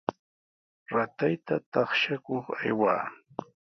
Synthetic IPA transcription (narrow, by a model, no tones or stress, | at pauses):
ɾat̪ajt̪at̪ɑχʃakoχa̰jwa̰ː